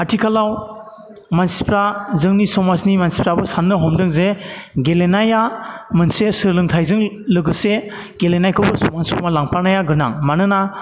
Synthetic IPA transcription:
atʰikʰalaw | mansi̥pɾazɯŋnisɔmasnimansi̥pɾabɯsanːɯɦɔmdɯŋzeɡelenajamɯnsesɯɾlɯŋtʰajzɯŋ | lɯɡɯse | ɡ̥elenajkʰɯbɯsɔmanskɔmalaŋpʰaɾnajaɡɯɾna̰ŋmanɯna

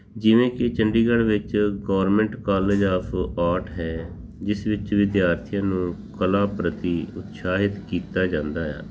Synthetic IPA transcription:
d͡ʒɪʋẽːkɪt͡ʃəɳɖiːɡəɽʋɪt͡ʃɡɔːəɾmɛ̃ɳʈkaːleːd͡ʒaːpʰaːʈɦɛː | d͡ʒɪsʋɪt͡ʃʋɪd̪jaːɾt̪ʰijãːnũːkəlaːpɾət̪iːʊt̪saːɦɪt̪kiːt̪aːd͡ʒãːnd̪aːja̰ː

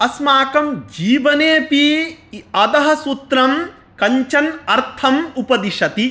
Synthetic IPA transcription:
ɐsmaːkɐmd͡ʒiːʋɐneːpi | ɐd̪ɐɦɐ̆sut̪ɾɐm | kɐɲt͡ʃɐnɐɾt̪ʰɐmupɐd̪iʃɐt̪i

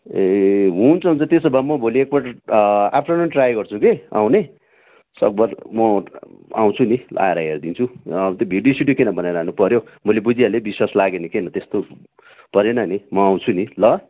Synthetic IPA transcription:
eɦũnt͡sʰʌɦunt͡sʰʌt̪esʌbamʌbʱoliek̚paʈa̰pʰɾanʌnʈrajɡʌrt͡sʰukea̰w̃ne | sʌ̰k̚bʌrmʌa̰w̃t͡sʰunilʔa̰eɾajeɾʌd̪int͡sʰuʌbt̪ʌbʱiɖijosiɖjokenʌbʌnajɾaɦanupʌɾjomʌlebud͡zijalebiswaslaɡenikenʌt̪est̪o | pʌɾenʌnimʌaw̃t͡sʰunilʌ

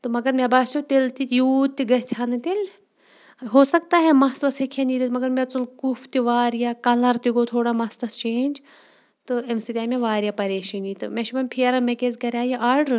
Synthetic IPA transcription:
t̪ɨmɐɡɐɾmebaːsjut̪elt̪it̪juːt̪̚t̪ːiɡɐt̪ʰaːnɨt̪el | ɦoːsɐkt̪aːɦemɐsʋɐshekʰeniɾit̪mɐɡɐɾmet͡sulkufʰt̪iʋaːɾjakɐlɐɾt̪iɡot̪ʰoːɽamɐsɐst͡ʃeːnʲd͡ʒ | t̪ɨemsit̪ʲaːmeʋaːɾijapɐɾeːʃinit̪ɨmeʃibɐmpʰeːɾɐmekezkɐɾʲaːjiʔaːɾɖɾ

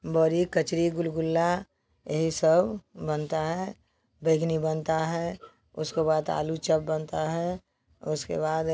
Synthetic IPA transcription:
bəɾikət͡ʃɾiɡʊlɡʊlːa | jeɦisəbbənt̪aɦɛ | beɡnibənt̪aɦɛ | ʊskebaːd̪a̰ːlut͡ʃəp̚bənt̪aɦɛ | ʊskḛbaːd̪

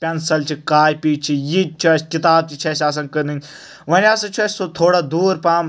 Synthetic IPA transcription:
pʲɛnsɐlt͡ʃʰikaːjpiːt͡ʃʰijit͡ʃʰɐskɪt̪aːb̚t͡ʃit͡ʃʰɐsʲaːs̬ɐ̃nkɐnɨŋʲ | ʋɐnʲaːsɐ̃t͡ʃʰɐsʲsot̪ʰoːɽad̪uːɾpaːm

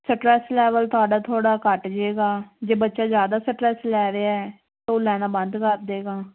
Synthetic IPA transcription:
səʈɾɛslɛːʋəlt̪ʊaːɖaːt̪ʰoːɽaːkəʈd͡ʒeːɡaːd͡ʒeːbətːʃaːzjaːd̪aːsəʈɾɛslɛːɾeːaɛː | t̪oːlɛːnãːbə̃nd̪kəɾd̪eːɡaː

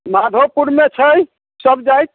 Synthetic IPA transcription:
mad̪ʱopuɾmet͡ʃʰəj | səbd͡ʒajt̪̚

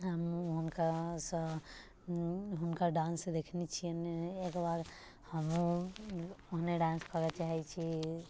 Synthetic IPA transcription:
ɦəmɦunkasə̃ | ɦunkəɾɖãnsẽd̪ekʰnet͡ʃʰijəneekbaɾ | həmu | oɦneɖãnskʰəɾɛt͡ʃaɦɛt͡ʃʰi

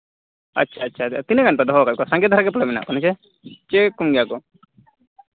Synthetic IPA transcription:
a̰tːʃʰaːtːt͡ʃʰat̪inkanp̪ad̪ɔɦɔkat̪̚kɔsaŋɡɛd̪ʱaɾaɡɛpɔlɛmɛna̰ʔkɔnɛt͡ʃɛ | t͡ʃekumɡɛjakɔ

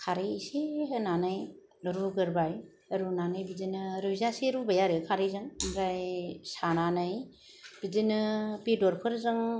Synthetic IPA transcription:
kʰaɾeseɦɯnanɯj | ɯɾuɡɯɾbaj | ɐɾunanɯjbidinɯɾɯzaseɾubajaɾɯkʰaɾezɯŋmɾajsananɯj | b̥idinɯpedɔɾpʰɯɾzɯŋ

